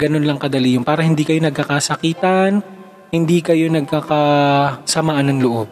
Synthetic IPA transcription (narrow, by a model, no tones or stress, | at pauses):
ɡɐnonlɐŋkɐd̪ɐliːjʊnpaːɾɐhɪnd̪iːkɐjo̞nɐɡ̚kakaːsɐkiːt̪ɐn | hɪnd̪iːkɐjo̞nɐɡ̚kaːkɐsɐmaːʔɐnːɐŋlʊʔob̚